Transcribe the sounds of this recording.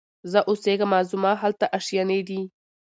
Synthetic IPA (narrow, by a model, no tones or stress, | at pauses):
zəʔʊseɡamazʊmɑɦalt̪aʔaʂjaned̪i